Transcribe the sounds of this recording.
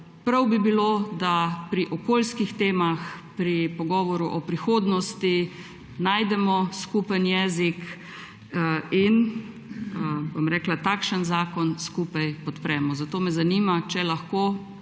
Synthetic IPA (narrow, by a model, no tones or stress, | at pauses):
pɾawbibiloːd̪apɾiʔɔkoːlskixt̪eːmaxpɾipɔɡɔːʋɔɾuʔɔpɾixoːd̪nɔst̪i | naːjd̪ɛmɔskuːpənjɛːzik | in | bomɾɛːklat̪akʃənzaːkɔnskupajpɔt̪pɾɛːmɔzat̪oːmɛzaniːmat͡ʃɛlaxkoː